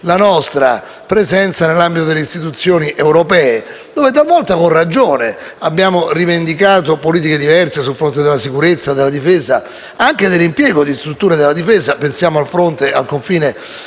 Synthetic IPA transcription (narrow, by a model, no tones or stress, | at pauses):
lanɔst̪ɾa̰ | pɾezɛnt̪sanelːambit̪od̪eleist̪it̪̬ut̪sːjoːniʔewɾopɛːed̪oːvet̪alvɔlt̪akorːad͡ʒoːne | abːjaːmorivend̪ikaːt̪opoliːt̪iked̪ivɛrsesulfɾont̪̬ed̪elasikuɾet̪sːad̪elːad̪ifeːza | aŋk̟ed̪elːimpjɛːɡod̪ist̪ɾut̪ːuːɾed̪elːad̪ifɛːzapensjaːmoalfɾont̪eʔalkoɱfiːne